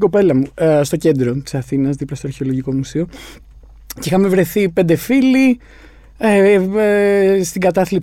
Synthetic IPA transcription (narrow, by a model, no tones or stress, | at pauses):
ɡo̞pe̞lɐmust̪o̞ce̞nd̪ɾo̞t̪i̥sɐθinɐzðiplɐst̪oɐɾçeo̞lo̞ʝiko̞musio̞ | cixɐme̞vɾe̞θipnd̪e̞fili | e | st̪iɡɐt̪ɐθlip